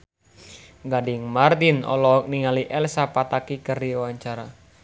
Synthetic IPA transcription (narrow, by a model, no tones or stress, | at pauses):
ɡadɪŋmard̪inɔ̰lɔk̚niŋaliʔɛlsapat̪akikərdiwaɲt͡ʃaɾa